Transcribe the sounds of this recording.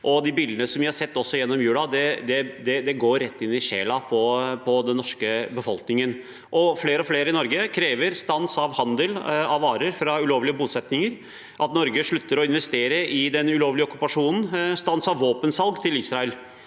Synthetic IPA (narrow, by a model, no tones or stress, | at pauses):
ʔɔd̪ɪbiːld̪ənəsɔmʋɪhɑɾsɛt̪ːɔsːɔjɛnːɔmjʉːlɑd̪ɛd̪ɛd̪ɛd̪ɛɡoːɾːɛt̪ːɪnːɪʂeːlɑpʰɔpʰɔd̪ɛnːɔʂkəbəfɔlknɪŋən | ʔɔfleːɾəɔfleːɾəɪnɔɾɡəkʰɾeːʋəɾst̪ɑnsɑʋhɑnd̪əlɑʋɑːɾəɾfɾɑʉloːʋlɪəbuːt̪sɛt̪nɪŋəɾ | ʔɑt̪nɔɾɡəʂɭʉt̪ːəɾɔɪnʋɛst̪eːɾəʔɪd̪ɛnʉloːʋlɪəɔkːʉpɑʂuːnn̩st̪ɑnsɑʋːoːpənsɑlɡt̪ʰɪlisɾɑɛl